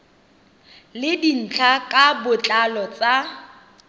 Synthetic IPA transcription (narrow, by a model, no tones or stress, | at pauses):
lɪdin̩t͡ɬʰakʼabʊt͡ɬʼalɔt͡sʼa